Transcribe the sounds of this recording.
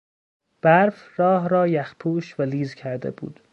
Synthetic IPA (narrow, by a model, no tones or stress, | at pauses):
b̥æɾf | rɒːɦɾɒːjæxpʰuːʃvæliːzcʰæɾd̪ḛbṵːd̪̥